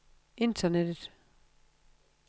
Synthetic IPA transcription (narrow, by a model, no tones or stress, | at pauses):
e̝ndʰɐned̥ð̥ˠ